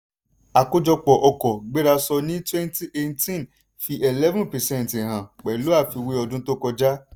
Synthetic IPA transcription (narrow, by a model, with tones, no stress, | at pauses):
a˨ko˧d͡ʒɔ˧k͡pɔ˨ʔɔ˧kɔ˨ɡ͡be˦ɾa˧sɔ˧nĩ˦twɛ̃˦nti˦ʔe˧tĩ˦n | fi˧ʔe˨lɛ˦vũ˦pɛ˨sɛ̃˦n˨tẽ˨ɦã˨k͡pɛ˨lo˨˦a˦˨fi˧we˧ɔ˧dũ˦to˦kɔ˧d͡ʒa˦